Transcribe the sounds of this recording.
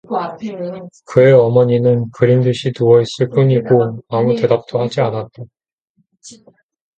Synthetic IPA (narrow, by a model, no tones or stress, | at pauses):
kɯe̞ʌmʌɲinɯnkɯɾimdɯɕʰituʌis͈ɯɭp͈uɲiɡoamute̞dap̚t͈ʰohad͡ʑianat̚t͈a